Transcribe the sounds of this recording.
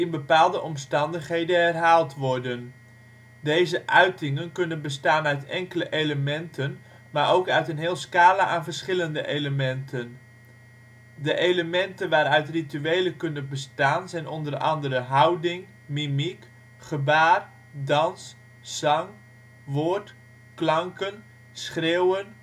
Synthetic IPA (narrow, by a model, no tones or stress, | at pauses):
ɪnbəpaːlˠdəʔɔmstɑndəχɦejdənɦɛrɦaːlˠtʋɔɹdən | dejzəʔœɥtɪŋənkɵnənbəstaːnœɥtɛŋkələʔejləmɛntən | maːɹowkœɥtənɦɪːlˠskaːlaʔaːnvəɹsχɪləndə̰ʔeləmɛntʰən | dəʔejləmɛntənʋaːɾœɥtrityejləkɵnəbəstaːnzɛjnɔndərɑ̰ndərəɦɑwdɪŋ | mimik | χəbaːr | dɑns | sɑŋ | ʋoːɹt | klɑŋkən | sχrewən